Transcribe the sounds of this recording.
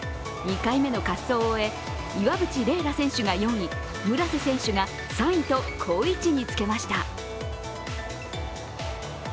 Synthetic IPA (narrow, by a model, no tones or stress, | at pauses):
ɲ̟ikaime̞no̞kaso̞ːoe̞ | iβabɯ̟t͡ɕiɾe̞ːɾasẽ̞ɰ̃ɕɨɡajõ̞ɰ̃ĩ | mɯ̟ɾasɨsẽ̞ɰ̃ɕɨɡa | sãɰ̃ĩt̪o̞kʰo̞ːit͡ɕiɲ̟it͡sɨ̥ke̞maɕi̥t̪a